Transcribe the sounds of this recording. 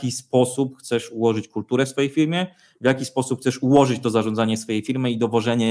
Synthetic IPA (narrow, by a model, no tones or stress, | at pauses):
kʲispɔsupxt̪sɛʂuwɔʐɘt͡ɕkult̪uɾɛfsfɔjejfʲiɾmʲjɛ | vjakʲispɔsup̚xt̪sɛʂuwɔʐɘt͡ɕt̪ɔzaʐɔ̃nd̪aɲɛsfɔjejfʲiɾmɘid̪ɔvɔʐɛɲɛ